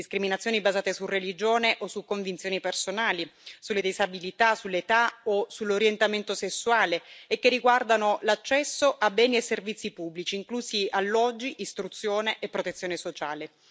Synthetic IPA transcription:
iskɾiminat̪sjoːnibazaːt̪esurelid͡ʒoːneʔosukːoɱvint̪sjoːnipersonaːlisulːed̪ezabilit̪asulːet̪aosulːoɾjent̪ament̪osesːuaːleːkːerːiɡward̪anolat͡ʃːɛsːoʔabːɛːniesːervit̪sːipubːlit͡ʃiːŋkluːsialːɔd͡ʒːiʔːst̪ɾut̪sːjoːneʔepːɾot̪et̪sːjoːnesot͡ʃaːle

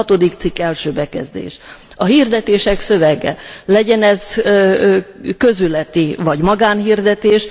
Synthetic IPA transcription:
t̪o̞d̪ikt̪sikːɛlʃøːbɛkɛ̰zd̪ḛːʃ | ɒɦiːrd̪ɛt̪eːʃɛksø̞vɛɡɛ̰lɛɟɛnɛz | køzylɛt̪ivɒɟmɒɡaːnɦird̪ɛt̪eːʃ

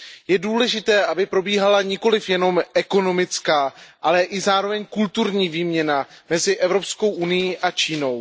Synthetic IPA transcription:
jɛduːlɛʒɪt̪ɛːʔabɪpɾo̞biːɦalaɲɪko̞lɪfjɛno̞mʔɛko̞no̞mɪt͡skaːʔalɛʔɪzaːɾo̞vɛɲkult̪uɾɲiːviːmɲɛnamɛzɪʔɛvɾo̞psko̞wʔunɪjiːʔat͡ʃiːno̞w

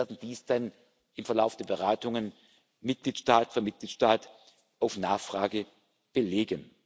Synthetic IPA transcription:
ɐdn̩d̥iːsd̥an | ɪmfɛɐlaʊfd̥eɐbəʁ̞aːtʊŋən | mɪt̚ɡ̥liːtʃtaːtfəɐmɪt̚ɡ̥liːtʃtaːt | ʔaʊfnaːχfʁ̥aːɡə | b̥əleːɡən

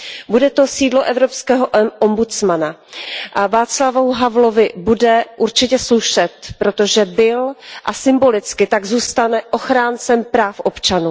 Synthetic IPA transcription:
budɛt̪o̞siːdlo̞ʔɛvɾopskɛːɦoʔʔombut͡smanaʔavaːt͡slavowɦavlo̞vɪbudɛʔuɾt͡ʃɪcɛsluʃɛt̪pɾo̞t̪o̞ʒɛbɪlʔasɪmbo̞lɪt͡skɪt̪aɡzuːst̪anɛʔo̞xɾaːnt͡sɛmpɾaːfʔo̞pt͡ʃanuː

